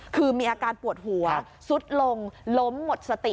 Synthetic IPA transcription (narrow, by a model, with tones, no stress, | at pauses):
kʰɯː˧miː˧ʔaː˧kaː˧npu˨˩ət̪̚hu˩˦ɐ | su˦˥t̪̚lo˧ŋlo˦˥mːo˨˩t̪̚sa˧t̪i˨˩